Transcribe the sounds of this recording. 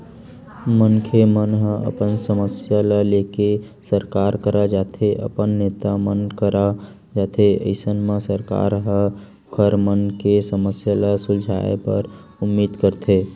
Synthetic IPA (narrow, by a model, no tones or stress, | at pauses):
mənkʰemənɦə̃ə̰pənsəməsjaləleke | səɾkaːɾkəɾad͡ʒaːt̪ʰeʔə̰pənːet̪amənkəɾa | d͡ʒat̪ʰeə̰ɪsənmẽsəɾka̰ːɾɦə | kʰəɾmənkesəməsjaləsʊld͡ʒʱa̰ḛpə̰ɾ | ʊmːiːd̪kəɾt̪ʰe